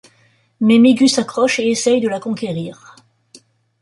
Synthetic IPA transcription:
mɛmiɡʲysakχɔʃeesɛjd̪əlakɔ̃kʲeʁiːʁ

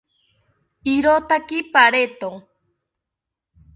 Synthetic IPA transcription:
iɾot̪akipaɾet̪õ

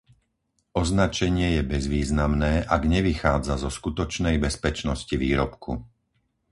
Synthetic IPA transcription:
ʔɔznat͡ʃɛɲɪɛjɛbɛzʋiːznamnɛːʔaɡɲɛʋixaːd͡zazɔskut̪ɔt͡ʃnɛjbɛspɛt͡ʃnɔsciʋiːɾɔpkʰṵ

